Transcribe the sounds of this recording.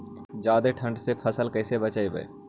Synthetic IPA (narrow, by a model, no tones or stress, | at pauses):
d͡ʒaːd̪eʈʰə̃ɳɖsepʰəsəlkəɪsebət͡ʃaːibə̰ḛ